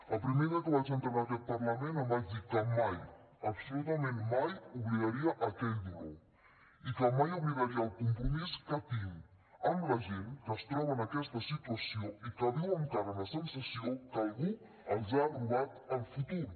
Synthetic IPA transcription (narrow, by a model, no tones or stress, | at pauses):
ɐpɾimeðəkəβaʒent̪əβakɛt̪̚pɐɾlɐmenɐmaðikəmaj | ɐpsulut̪əmenmajuβliɣɐɾiɐʔɐkɛʎd̪iɛ̰w | ikəmajuβliɣəɾiɐːlkumpɾumiskɐt̪iw | ɐmlɐʒenkəst̪ɾɔβɐnɐkɛst̪ɐsit̪uəsioikɐðiwəmt̪aɾənɐsənsəsiokɐlˠɣu | ɐʒaβɾuβat̪əlfut̪uɾ